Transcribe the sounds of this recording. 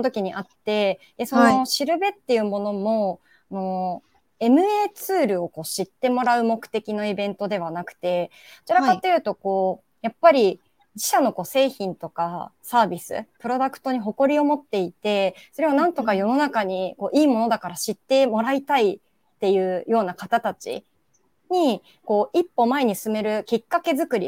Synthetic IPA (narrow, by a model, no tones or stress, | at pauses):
ot̪o̞kʲiɲ̟iʔat̪ːe̞ | d̪eso̞no̞ɕiɾɯ̟be̞t̪ːe̞jɯ̟mo̞no̞mo̞ | no̞ | e̞mɯ̟e̞ːt͡sɨːɾɯ̟o̞ko̞ːɕit̪ːe̞mo̞ɾaɯ̟mo̞kɯ̟̥t̪e̞kʲino̞ibẽ̞nt̪o̞d̪e̞β̞anakɯ̟̥t̪e̞ | ot͡ɕiɾakat̪ːe̞jɯ̟ːt̪o̞ko̞ː | japːaɾʲi | d͡ʑiɕano̞ko̞ːse̞ːçĩnt̪o̞kasaːbʲisɨ̰pɯ̟ɾo̞d̪akɯ̥t̪o̞ɲ̟iɦo̞ko̞ɾʲio̞mo̞t̪ːe̞it̪e̞so̞ɾe̞βanãnt̪o̞kajo̞no̞nakaɲ̟iko̞ːʔiːmo̞no̞d̪akaɾaɕit̪ːe̞mo̞ɾait̪ai | t̪ːe̞jɯ̟ːjo̞ːnakat̪at̪at͡ɕḭ | ɲ̟i | ko̞ːʔipːo̞mae̞ɲ̟isɨme̞ɾɯ̟kʲikːake̞zɨkɯ̟ɾʲḭ